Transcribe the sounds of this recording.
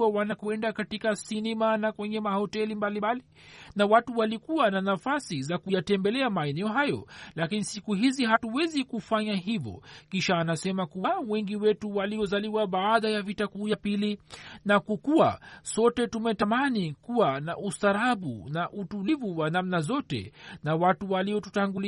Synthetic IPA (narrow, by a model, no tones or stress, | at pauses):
awanakuɛndakatikasinɛmanakwɛɲɛmahɔtɛlimbalimali | nawatuwalikuwananafasizakujatɛmbɛlɛamaɛnɛɔɦajɔ̰lakinisikuɦiziɦatuwɛzikufaɲaɦivɔ̰kiʃaːnasɛmakuwawɛŋɡiwɛtuwaliɔzaliwaɓaːðajavitakujapilinakukuwasɔtɛtumɛtamanikuwanaʔustaɾaɓṵnaʔutulivuwanamnazɔtɛ̰nawatuwaliɔtu̥taŋɡuli